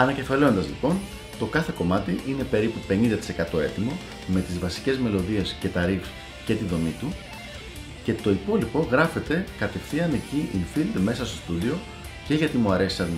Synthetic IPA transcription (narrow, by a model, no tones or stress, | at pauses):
ɐnɐce̞fɐle̞o̞nd̪ɐzlipo̞n | t̪o̞kɐθe̞ko̞mɐt̪iʔine̞pe̞ɾipupe̞nĩnd̪ɐt̪i̥se̞kɐt̪o̞e̞t̪imo̞ | me̞t̪izvɐsi̥ce̞zme̞lo̞ðie̞sce̞t̪ɐɾifs | ce̞t̪iðo̞mit̪u | ce̞t̪o̞ipo̞lipo̞ɣɾɐfe̞t̪e̞kɐt̪e̞fθiɐne̞ciʔinfild̪me̞sɐst̪o̞st̪uðio̞ | ce̞ʝɐt̪imuɐɾe̞si̥sɐn